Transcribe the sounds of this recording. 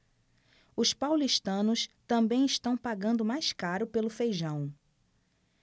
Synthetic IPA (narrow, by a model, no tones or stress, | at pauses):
ʊspawliʃt̪ɐ̃nʊst̪ɐ̃bẽj̃ɪʃt̪ɐ̃w̃paɡɐ̃nd̪ʊmajskaɾʊpelʊfejʒɐ̃w̃